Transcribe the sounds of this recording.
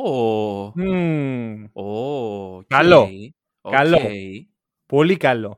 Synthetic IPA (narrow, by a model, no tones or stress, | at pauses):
o | kalo | kaloe | polikalo